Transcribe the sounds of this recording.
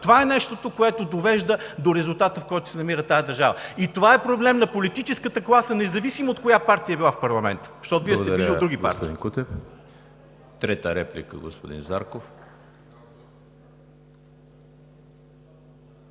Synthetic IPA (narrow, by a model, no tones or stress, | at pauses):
t̪ovaɛnɛʃt̪ot̪okoɛt̪od̪ovɛʒd̪əd̪oɾɛzulˠt̪at̪əfkɔjt̪ʊ̥sɛnɐmiɾət̪ajəd̪ɐɾʒavəit̪ovaɛpɾoblɛmnɐpolit̪it͡ʃɛskət̪əklˠasənɛzɐvisimɐot̪kojapaɾt̪ijəɐbilˠafpɐɾlˠɐmɛ̰nt̪ə̥ʃt̪ɔt̪oviəsd̪ɛiod̪ɾuɡʲippa̰ɾt̪iḭnkut̪ɛf | t̪ɾɛt̪əɾɛplḭkə̰ɡo̰spod̪ḭnza̰ɾkof